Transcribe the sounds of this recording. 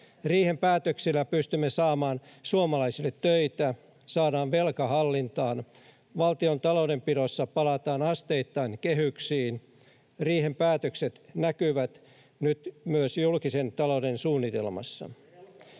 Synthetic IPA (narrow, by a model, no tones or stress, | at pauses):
riːhempæːt̪øksilːæpyst̪ymːesɑːmɑːnsuomɑlɑisilːet̪ːøit̪æ | sɑːdɑːʋʋelkɑɦɑlːint̪ɑːn | ʋɑlt̪iont̪ɑloude̞mpiɾosːɑpɑlɑt̪ɑːnɑst̪eit̪ːɑinkeɦyksiːn | riːɦempæːt̪økset̪nækyʋæt̪ | nyt̪myøsjulkise̞nt̪ɑlowdensuːnːit̪e̞̰lmɑ̰sːɑ̰